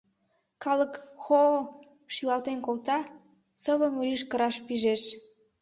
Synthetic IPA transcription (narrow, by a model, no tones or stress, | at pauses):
kɑləkxo | ʃilɑlt̪enkolt̪ɑ | səβəmyliʃkəɾɑʃpiʒeʃ